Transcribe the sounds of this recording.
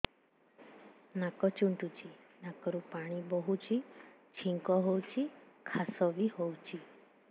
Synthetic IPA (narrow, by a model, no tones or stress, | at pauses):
nakɔt͡ʃuɳʈut͡ʃʰi | nakɔɾũpaɽ̃ibɔɦut͡ʃʰi | t͡ʃʰiŋkɔɦowt͡ʃʰikʰasɔʋiɦowt͡ʃʰi